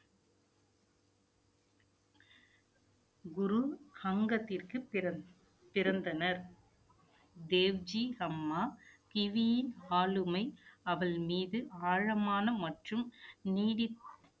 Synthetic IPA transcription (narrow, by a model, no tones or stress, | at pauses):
ɡʊɾuhɐŋɡɐt̪ːɪrkɯ | pɪɾɐnd̪ɐnɐɾ | d̪eːʋd͡ʒihɐmːaːkɪʋijɪnaːlɯmɐɪɐʋɐɭmiːðɯaːɻɐmaːnɐmɐʈrɯmniːɽɪ